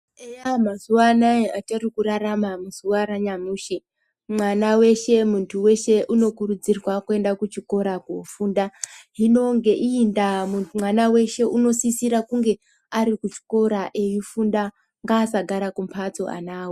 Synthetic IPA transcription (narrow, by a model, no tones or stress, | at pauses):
ejamazuʋaːnajeʔat͡ʃarikuɾaramamuz̥uwaɾaɲamuːʃi | mwanawe̞ʃe̞muntʰuwe̞ʃe̞ʔuno̞kurud͡zirwakue̞ndakut͡ʃiko̞ɾakufuːndaɦino̞ŋɡe̞ʔiːndamumwanawe̞ʃe̞ʔuno̞sisiɾakuŋɡe̞ | aɾikut͡ʃi̥ko̞ɾaʔejifunda | ŋɡaːsaɡʱaɾakumpʰat͡soʔa̰naːwo